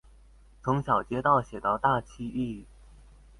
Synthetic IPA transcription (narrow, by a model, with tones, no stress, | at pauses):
t͡sʰʊ˧˥ŋɕjɑ˨˩ʊt͡ɕjɛ˥t̪ɑ˥˩ʊɕjɛ˨˩t̪ɑ˥˧ʊt̪a˥˩˧t͡ɕʰi˥˧i˥˩˨